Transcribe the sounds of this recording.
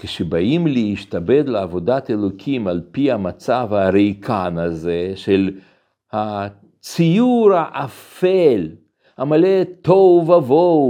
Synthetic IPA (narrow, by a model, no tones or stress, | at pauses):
keʃebaimleiʃt̪abed̪leavod̪at̪elokʰimalpihamat͡savaɾejkʰanazeʃel | ha | t͡sijuɾhaʔafel | hamalet̪ovavo